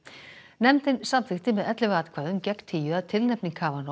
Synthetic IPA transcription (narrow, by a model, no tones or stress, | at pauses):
nɛmt̪ɪnsamfɪxt̪ɪmɛðɛt̪lɪvaːt̪kʰvaːðʏmcɛkt̪ʰiːjʏaðt̪ʰɪlnɛpniŋkʰaːvan